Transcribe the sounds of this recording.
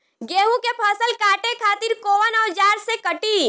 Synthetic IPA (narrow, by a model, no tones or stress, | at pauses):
ɡeːɦũkepʰəsəlkʰaːʈekʰaːt̪ɪɾkoːʋənɔːd͡ʒaːɾsekəʈiː